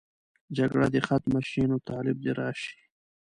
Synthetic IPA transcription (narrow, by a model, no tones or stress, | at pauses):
d͡ʒaɡɽad̪exat̪maʃinawt̪aːlɪb̚d̪eɾɑːʃi̥